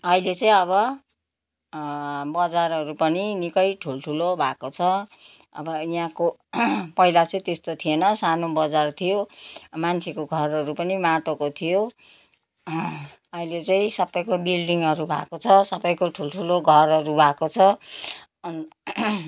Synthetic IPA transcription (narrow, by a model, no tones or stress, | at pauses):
ʌilet͡sʌĩʌβʌ | bʌd͡zarɦʌɾupʌninikʌjʈʰulʈʰulobʱakot͡sʰʌ | ʌ̰bʌjãkopʌilat͡sʌĩt̪est̪ot̪ʰienʌsanobʌd͡zart̪ʰijomant͡sʰekoɡʱʌrʌɾupʌnimaʈokot̪ʰijo | ʌilet͡sʌĩsʌbʌjkobilɖiŋʌɾubʱa̰kot͡sʰʌsʌbʌjkoʈʰulʈʰuloɡʱʌrɦʌɾubʱakot͡sʰʌ | n